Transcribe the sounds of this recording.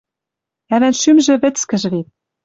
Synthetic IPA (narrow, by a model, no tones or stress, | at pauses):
æβænʃymʒɘ̆βɘ̆t͡skɘ̆ʒ̆βet̪̚